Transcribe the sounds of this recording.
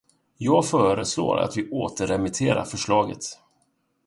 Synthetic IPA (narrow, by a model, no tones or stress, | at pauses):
jɑːɡfœːɾəslo̰ːɾa̰t̪vɪʔoːt̪əɾɛmɪt̪ʰeːɾa̰ɾfœʂɭɑːɡə̰t̪